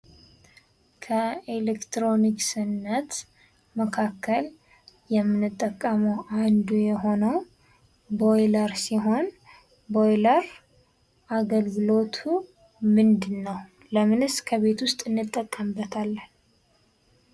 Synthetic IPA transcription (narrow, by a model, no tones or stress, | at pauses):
kʰəelekt̪ɾo̞niksɨnːət̪ | məkʰakʰːəl | jɛmːɨnɨt̪ʼːəkʼːəməwʔand̪ujɛɦo̞nəw | bo̞jləɾsiɦo̞n | bo̞jləɾ | ʔaɡəlɡɨlo̞t̪ʰu | mɨnd̪ɨnːəw | ləmɨnɨskʰəβe̞t̪wʊst̪ʼɨnːɨt̪ʼːəkʼːəmbət̪ʰalːn